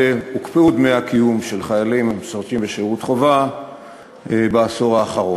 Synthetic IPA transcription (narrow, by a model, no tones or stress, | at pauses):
eukpeud̪meakijumʃe̞lχajalimemsoʁt̪imbeʃiʁut̪χova | beaso̞ʁaːχaʁo̞